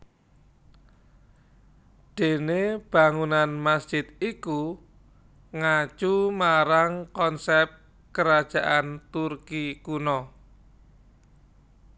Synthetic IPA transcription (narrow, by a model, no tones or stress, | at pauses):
ɖ̪̥e̤neb̥a̤ŋunanmasd̥ʒ̥ɪd̪iku | ŋat͡ʃumaɾaŋkɔnsɛp̚ | kəɾad̥ʒ̥a̤ʔant̪urkikunɔ